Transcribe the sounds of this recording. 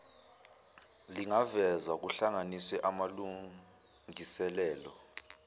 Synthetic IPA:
liŋavɛzwak̬uɬaŋanisɛʔamalu | ŋisɛlɛːlɔ

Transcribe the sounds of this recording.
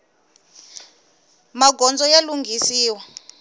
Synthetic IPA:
maɡɔnd͡zɔjaluŋɡʱisiːwa

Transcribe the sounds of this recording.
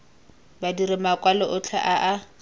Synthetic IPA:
badiɾɪmakʼwalɔʔʊt͡ɬʰaʔaʔa

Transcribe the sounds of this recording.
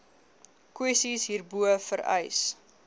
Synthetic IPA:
kwɛsisɦiːrbuəfəɾɛ̰js

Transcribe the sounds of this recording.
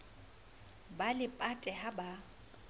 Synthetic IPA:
balɪpʼatʼɛhaba

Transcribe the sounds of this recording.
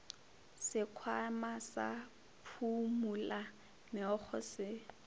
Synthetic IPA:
sɪkʰwamasa̰ | pʰumula | mɪɔχʰɔ̰sɪ

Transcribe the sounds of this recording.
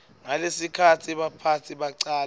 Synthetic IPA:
ŋalesikʰatʰiɓapʰatʰiɓaǀaːl

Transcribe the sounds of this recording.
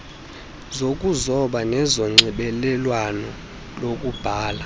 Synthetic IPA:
zokʼuzɔɓanɛzɔŋ͡ǀiɓɛlɛlwanɔ | lokʼub̥ʱaːla

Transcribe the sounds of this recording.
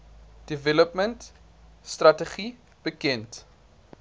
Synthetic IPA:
d̥ivɛləpmənt | strɐtəχi | b̥əkɛnt

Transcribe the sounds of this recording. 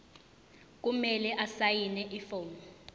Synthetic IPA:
k̬ʼumɛlɛʔasajinɛʔifoːmɔ

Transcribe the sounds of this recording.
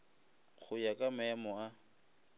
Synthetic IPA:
χʰʊjakʼamɛmɔa

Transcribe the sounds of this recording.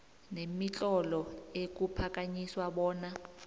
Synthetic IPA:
nemit͡ɬʼɔlɔek̬ʼupʰak̬ʼaɲiswaɓɔːna

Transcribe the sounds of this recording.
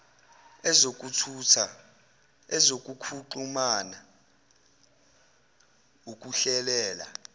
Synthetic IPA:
ɛzok̬ʼutʰutʰa | ɛzok̬ʼukʰuǃumana | uk̬ʼuɬɛlɛːla̰

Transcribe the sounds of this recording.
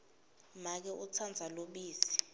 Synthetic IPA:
mak̬ɛʔut͡sʰand͡zʱaloɓiːsi̥

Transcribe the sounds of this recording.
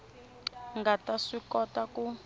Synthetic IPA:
ŋɡataʂikɔtaku

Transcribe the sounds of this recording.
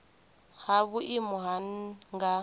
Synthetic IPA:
haβuʔimuɦanŋɡa

